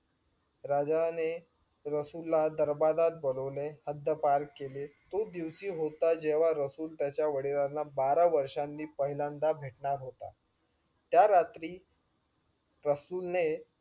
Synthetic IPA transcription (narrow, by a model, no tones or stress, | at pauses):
ɾad͡zane | ɾəsulːad̪əɾbad̪at̪̚bələʋlehəd̪ʱjəpaɾkkːelet̪od̪iʋsiːɦot̪ad͡ʑeʋ̤aɾəsuːlt̪jat͡ɕjaʋəɽiɾanːabaɾaʋəɾʂanːiːpəɦilãnd̪abʱeʈɳaɾɦot̪a̰ | t̪jaɾat̪ɾiː | ɾəsuːlne